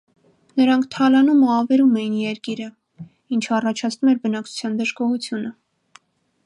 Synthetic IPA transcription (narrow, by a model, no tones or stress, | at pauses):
nəɾɑŋkʰt̪ʰɑlɑnuməɑvɛɾumɛjinjɛɾkiɾə | int͡ʃʰəɑrɑt͡ʃʰɑt͡sʰnumɛɾbənɑk̚t͡sʰu̥t͡sʰjɑnd̪əʒɡɔhut͡sʰjunə